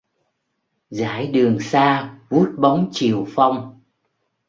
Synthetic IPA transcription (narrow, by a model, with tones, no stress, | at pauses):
za̰ː˧˩jɗɨ˨˩əŋsaː˧vu˦˥ət̚ɓa˨˦wŋ͡mt͡ɕi˨˩əwfa˧wŋ͡m